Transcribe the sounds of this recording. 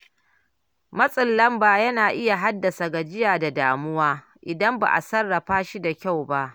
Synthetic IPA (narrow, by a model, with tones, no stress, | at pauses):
mɐ˦sʼɐ˨lːɐ˦mbaː˨jɐ˦naː˨ʔɪ˦ja˨ɦa˦dːɐ˨sa˨ɡa˨d͡ʒɪ˦jaː˨da˨daː˨mʊ˦waː˦ | ʔɪ˨dɐ˦mba̰ː˨ʔa̰˨sɐ˦rːɐ˨ɸaː˦ʃi˦da˨kʲa˦˨wba˦ʔ